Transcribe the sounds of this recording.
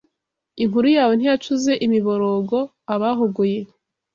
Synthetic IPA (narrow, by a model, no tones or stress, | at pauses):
iŋuɾujaːwe̞n̥hijat͡ʃuze̞ʔimiβo̞ɾoɡo̞ | aβaɦoɡoje̞